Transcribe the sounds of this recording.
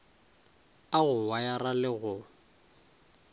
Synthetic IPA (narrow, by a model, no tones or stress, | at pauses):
aɣʊwajaralɪɣʊ